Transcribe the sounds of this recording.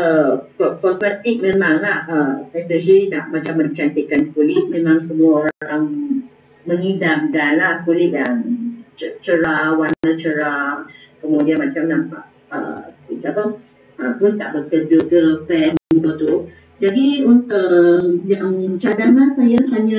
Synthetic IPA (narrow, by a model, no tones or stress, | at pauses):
əpɔpɔtmat̪ik̚mẽmaŋlahəsasəɦinaʔmat͡ʃamːə̃ɲt͡ʃant̪ikankulɪt̪̚mẽmãŋsəmuaoɾãŋɾaŋ | məŋidam̚danlahkulɪʔ̪̚dant͡ʃət͡ʃəɾawanət͡ʃəɾakəmodiamat͡ʃamnampaʔ | ə̰isakə | əpʊnt̪aʔbəkəd͡ʒuəpɛməubət̪u | d͡ʒadiunt̪uʔjaŋt͡ʃadanasajasaɲã